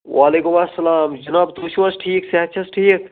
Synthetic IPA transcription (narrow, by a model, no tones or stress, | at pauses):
wʔaːleːkumɐsːɐlaːmd͡ʒɐnaːb̚t̪oːʃiwɐsʈʰiːkseɦɐt̪ːt͡ʃʰɐsʈʰiːk̚